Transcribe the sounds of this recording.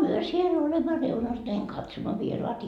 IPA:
myø siel olemːɑ reunɑs næiŋ kɑtsomːɑ ʋieroɑt

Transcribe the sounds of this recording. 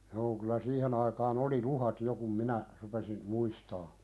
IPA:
joː kylæ siːhen ɑikɑːn oli luhɑt jo kum minæ rupesin muistɑː

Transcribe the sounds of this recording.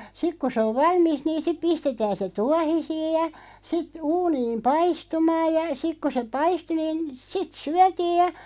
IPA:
sik ku se oʋ ʋɑlmist̆ niːn̞ sip̆ pistetæːn se tuɑhisiːj jɑ sit uːniːm pɑistumɑːj jɑ sik ku se pɑistu niːn sit syætiːj̆ jɑ

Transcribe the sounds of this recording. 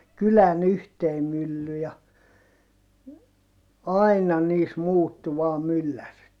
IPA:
kylæn yhtei mylːy jɑ ɑinɑ niːs muːtːu ʋɑː mylːærit

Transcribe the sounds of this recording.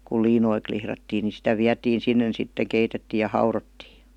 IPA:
kul liːnoi klihrɑtːiː ni sitæ ʋiætiːn̞ sinːen sitːe keitetːiːj̆ jɑ hɑurotːiː

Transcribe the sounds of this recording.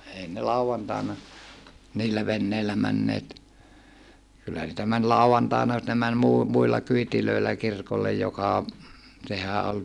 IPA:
ei ne lɑuʋɑntɑˑenɑ niːlːæ ʋenːeilːæ mænːeːt kylːæ niːtæ mæn lɑuɑntɑˑenɑ mut ne mæn muː muilːɑ kyitiløilːæ kirkolːej jokɑ sehæ ol

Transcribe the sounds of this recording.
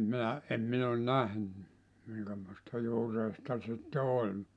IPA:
minæ em min on næhny miŋkæmoistɑ juːreistɑ sitːe olʲ

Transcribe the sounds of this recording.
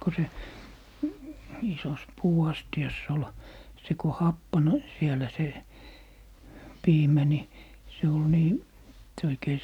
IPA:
ko se isos puːɑstiɑsː ol se ko hɑpːɑn sielæ se piːmæ ni se ol niː se oikei

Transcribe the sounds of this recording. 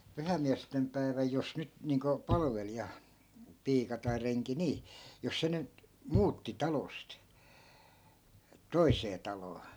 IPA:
pyhæĭmːiæstem pæi̯ʋæj jos nyt niːŋko pɑlɑ̆ʋelijɑ piːkɑ tɑi reŋki niː jos se nyt muːtːi tɑlost toiseː tɑloː

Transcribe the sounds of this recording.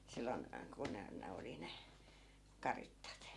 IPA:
silːon ku ne ne oli ne kɑritːɑt

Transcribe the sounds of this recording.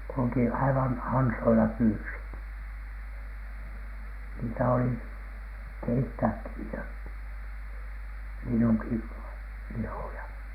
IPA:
kulŭki ɑiʋɑn ɑnsoilɑ pyːsit niːtæ oli keitːæːkːi niːtæ linːuŋki lihojɑ

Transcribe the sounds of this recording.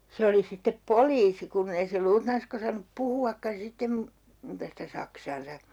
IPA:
se oli sitːep poliːsi kunː ei se luːtnɑnskɑ̆ osɑnːup puhuɑkːɑn̞ sitːem mu muːtɑ sitæ sɑksɑːnsɑ

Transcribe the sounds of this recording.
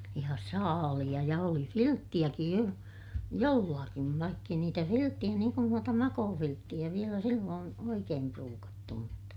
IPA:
jɑ sɑːlij̆ɑ jɑ oli filtːij̆ækij jo jolːɑkiʋ ʋɑikː ei niːtæ filtːij̆æ niːŋ kun nuotɑ mɑkoːfiltːij̆æ ʋielæ silːoːn oikeːm pruːkɑtːu mutːɑ

